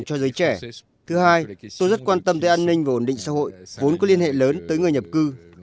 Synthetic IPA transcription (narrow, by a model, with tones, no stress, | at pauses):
ŋt͡ɕɔ˧zəː˨˦jt͡ɕɛ˧˩ | t̪ʰɨ˨˦haː˧jt̪o˧jzə˦˥t̚kwaː˧nt̪ə˧mt̪əː˨˦jʔaː˧nːï˧ŋ̟vaː˨˩ʔo˧˩nɗḭ̈˧˨ŋ̟sa̰ː˧˥ɦo̰˧˨jvo˨˦nkɔ˨˦li˧ənhḛ˧˨ləː˨˦nt̪əː˨˦jŋɨ˨˩əjɲə˨˩p̚kɨ˧